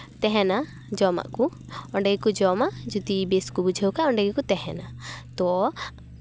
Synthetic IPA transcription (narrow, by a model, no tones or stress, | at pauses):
t̪ɛɦɛna | d͡ʒɔma̰ʔku | ɔɳɖɛɡɛkud͡ʒɔmaʔd͡ʒut̪ibeskubud͡ʒʱewkaɔɳɖɛɡɛkut̪ɛɦɛnat̪ɔ